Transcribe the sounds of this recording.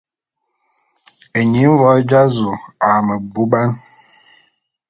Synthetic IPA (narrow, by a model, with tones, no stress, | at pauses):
e˨ɲi˨˦m̩˦vɔ˦d͡ʒa˦zu˨a˨mə˨bu˦ba˦n